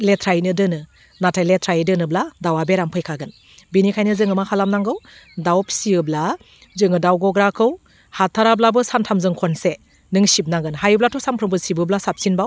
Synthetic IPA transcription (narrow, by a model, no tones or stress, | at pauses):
letʰɾajnɯdɯnɯ | natʰajletʰɾajɯdɯnɯbladawabeɾampʰɯjkʰaɡɯn | binikʰajnɯzɯŋɯmakʰalamnaŋɡɯwdawpʰsiɯbla | zɯŋɯdawɡɔɡɾakʰɯw | hatʰːaɾablabɯsamtʰamzɯŋkʰɔnse | nɯŋsib̚naɡɯnɦajɯblatʰɔsampʰɾɯbɯsibɯblasap̚sinbaw